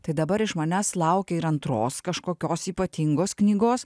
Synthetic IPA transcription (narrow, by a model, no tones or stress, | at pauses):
t̪ɐɪd̪ɐbɐɾɪʃmɐnʲæslˠɐʊkʲɛɪɾɐnt̪ɾoːskɐʃkoːkʲoːsiːpɐt̪ʲiŋɡoːsknʲiːɡoːs